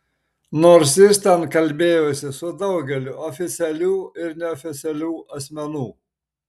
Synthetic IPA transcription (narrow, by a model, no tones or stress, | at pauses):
noːɾsjɪst̪ʲɛnkɐlʲbʲeːjosʲɪsʊd̪ɐʊɡʲɛlʲʊʔɔfʲɪt̪sʲɛlʲuːɪɾnʲɛɔːfʲɪt̪sʲɛlʲuːʔɐsʲmʲɛnuː